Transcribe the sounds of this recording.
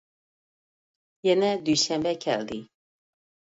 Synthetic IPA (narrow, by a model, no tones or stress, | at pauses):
jɛnɛd̪yʃɛmbɛkʰɛ̰ld̪i